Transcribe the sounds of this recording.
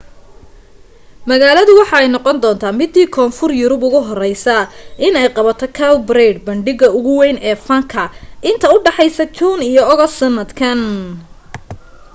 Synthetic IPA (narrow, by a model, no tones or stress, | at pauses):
mɐɣaːlɐðʊwɑħɑɛjnɔqɔnd̪ɔːnt̪ʰaːmɪd̪ːiːkʰɔːnfʊrjʊɾʊbʊɣʊɦɔrɛjsɐʔɪnɛjqɑβɐt̪ʰɔkʰɐwbɾɛjɖbɐɳɖɪɣɐʊɣʊwɛjnɛːfɐŋkʰɐʔɪnt̪ʰɐʊɖɑħɛjsɐt͡ʃ̪ʰuːnijɔɔɣɔsɐnːɐd̪kʰɐn